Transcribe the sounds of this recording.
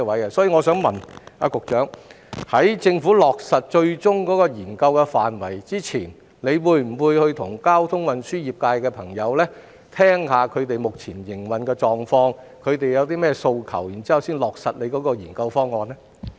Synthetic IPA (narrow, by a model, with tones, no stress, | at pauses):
ɛ˧wɐ˨˥jkɛ˧sɔː˨˥ji˨˧ŋɔː˨˧sœː˨˥ŋmɐ˨˩na̰ː˧kʊ˨k̚t͡ʃœː˨˥ŋ | hɐ˨˥jt͡sɪ˧ŋfuː˨˥lɔː˨k̚sɐ˨t̚t͡ʃɵ˧ɥt͡sʊ˥ŋkɔː˨˥kɔː˧jiː˨˩nkɐ˧wkɛ˧faː˨nwɐ˨˩jt͡siː˥t͡sʰiː˨˩n | le˨˧jwuː˨˧jm̩˨˩wuː˨˧jhɵ˧ɥt̪ʰʊ˨˩ŋkaː˥wt̪ʰʊ˥ŋwɐ˨nsyː˥jiː˨p̚kaː˧jkɛː˧pʰɐ˨˩ŋjɐ˨˧wlɛː˥ | t̪ʰɛː˥ŋhaː˨kʰɵ˨˧ɥt̪e˨jmʊ˨k̚t͡sʰiː˨˩njɪ˨˩ŋwɐ˨nkɛː˧t͡ʃɔː˨ŋfɔː˧ŋ | kʰɵ˨˧ɥt̪e˨jɐ˨˧wt̪iː˥mɛː˥so˧wkʰɐ̰˨˩wjiː˨˩nt͡siː˥hɐ˨wsiː˥nlɔː˨k̚sɐ˨t̚le˨˧kɔː˨˧˥kɔː˧jiː˨˩nkɐ˧wfɔː˥ŋːɔː˧nɛ˥